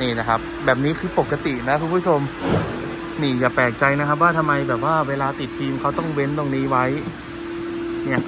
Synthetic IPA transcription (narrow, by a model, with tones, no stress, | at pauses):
niː˥˩na˦˥˩kʰa˦˥p̚bɛː˨˩p̚niː˦˥kʰɯː˧po˨˩k̚a˧t̪i˨˩na˦˥kʰu˧npʰu˥˩o˧m | niː˥˩jaː˨˩pɛː˨˩k̚t͡ɕa˧jna˦kʰa˦˥p̬waː˥˩t̪ʰa˧mːa˧jbɛː˨˩p̚waː˥˩weː˧laː˧t̪i˨˩t̪̚ːʰiː˧mkʰa˦˥wt̪ɔ˥˩ŋwe˦˥nt̪o˧ŋniː˦˥wa˦˥j | ni˦˥˩ɐʔ